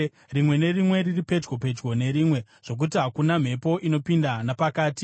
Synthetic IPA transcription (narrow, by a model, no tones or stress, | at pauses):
rimwe̞ne̞rimwe̞riripe̞d͡ʒɡo̞pe̞d͡ʒɡo̞ne̞ɾiːmwe̞ | ʐ̥o̞k̬utiɦakunam̤e̞po̞ʔino̞pindanapakaːti